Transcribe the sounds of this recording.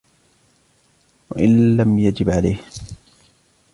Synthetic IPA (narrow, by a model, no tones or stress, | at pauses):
wa̰ʔɪnlamjad͡ʒɪbʕalajh